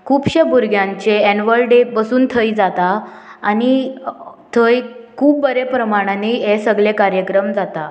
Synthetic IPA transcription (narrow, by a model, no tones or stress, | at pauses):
kʰuːpɕebʱuɾɡjãɲt͡ɕeɛnʋəlɖepəsuːnt̪ʰəjd͡zat̪aː | ɽi | t̪ʰəjkʰuːbːəɾepɾəmaɽ̃aniesəɡlekaɾjəkɾəmd͡zat̪a